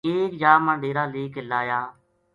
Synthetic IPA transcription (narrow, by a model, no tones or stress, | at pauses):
eːkd͡ʒaːməɳɖeːɾaːleːkɪlːaːjaː